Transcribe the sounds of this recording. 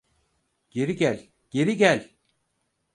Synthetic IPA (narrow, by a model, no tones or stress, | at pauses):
ɟ̥e̞ɾiɟælʲ | ɟ̥e̞ɾiɟælʲ